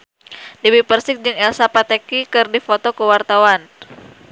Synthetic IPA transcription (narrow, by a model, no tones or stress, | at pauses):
diwipərsɪk̚d͡ʒɨŋɛlsapat̪ɛkikɨrdifot̪ɔkəwart̪awan